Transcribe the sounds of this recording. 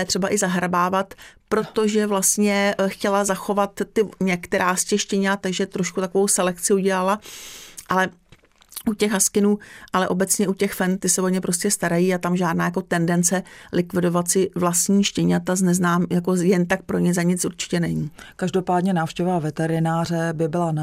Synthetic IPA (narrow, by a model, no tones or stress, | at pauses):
jɛt̪r̝̥ɛbaʔɪzaɦɾabaːvat̪pɾo̞t̪o̞ʒɛvlast̪ɲɛxcɛlazaxo̞vat̪ːɪɲɛkt̪ɛɾaːscɛxʃcɛɲat̪aɡʒɛt̪ɾoʃkut̪ako̞vowsɛlɛkt͡sɪuɟɛlalaʔalɛ | ʔucɛɣɦaskɪnuːʔalɛʔo̞bɛt͡sɲɛʔucɛxfɛnt̪ɪsɛvoɲɛpɾo̞scɛst̪aɾajiːat̪amʒaːdnaːjako̞t̪ɛndɛnt͡sɛlʔɪkvɪdo̞vat̪sɪvlast̪ɲiːʃcɛɲat̪aznɛznaːmjako̞jɛnt̪ak̚pɾo̞ɲɪzaɲɪt͡sʔuɾt͡ʃɪ̥cɛnɛɲiːkaʒdo̞paːdɲɛnaːfʃcɛvavɛt̪ɛɾɪnaːr̝ɛbɪbɪlan